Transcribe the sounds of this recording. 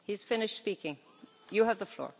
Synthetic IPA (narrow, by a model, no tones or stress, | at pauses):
hiz̥fɪ̃nɪʃtspikʰɪ̃ŋ | jɨəvðəflɔ̰ɹ